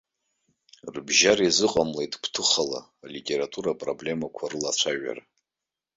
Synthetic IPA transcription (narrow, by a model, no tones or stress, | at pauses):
rbʒaɾizɨqʼamlejtʼpʰtʰɨχala̰ːlitʼe̞ɾatʰʼuɾapʼro̞ble̞makʷʰarɨlat͡ɕʷʰaʒa̰ra